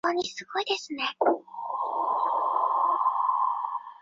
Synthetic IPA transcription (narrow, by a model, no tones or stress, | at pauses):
oɲ̟isɨɡo̞id̪e̞sɨne̞